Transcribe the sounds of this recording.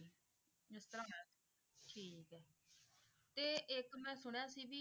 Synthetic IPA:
ɪst̪əɾãːɛ | ʈʰiːkɛː | t̪eːʔɪkmɛ̃ːsʊɳ̃jãːsiːbiː

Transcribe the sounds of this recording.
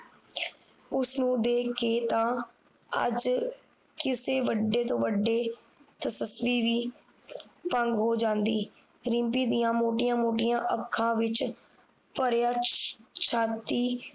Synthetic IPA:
ʊsnũːd̪eːkeːt̪ãː | ə̰d͡ʒ | kɪseːʋəɖːeːt̪õːʋəɖːeː | t̪əsəsʋiːʋiː | pəŋɡɦoːd͡ʒãːnd̪iː | ɾɪ̃mpiːd̪ijãːmoːʈɪjãːmoːʈɪjãːʔəkʰːãːʋɪt͡ʃ | pəɾjaːt͡ʃʰaːt̪ːiː

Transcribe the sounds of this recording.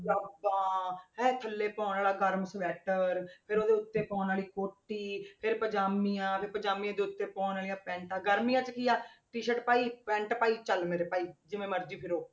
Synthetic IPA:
d͡ʒaːbãːɦɛ̃ːt̪ʰəlːeːpɔ̃ːnaːlaːɡəɾmsʋɛːʈəɾpʰɪɾoːd̪eːʊt̪ːeːpɔ̃ːnaːliːkoːʈːiːpʰɪɾpəd͡ʒaːmijãːpʰɪɾpəd͡ʒaːmiãːd̪eːʊt̪ːeːpɔ̃ːnaːlijãːpɛ̃ːɳʈaːɡəɾmiːãːt͡ʃəkijaːʈiːʃəʈpaːiːpɛ̃ːɳʈpaːiːt͡ʃəlmeːɾeːpaːiːd͡ʒɪmẽːməɾd͡ʒiːpʰɪɾoː

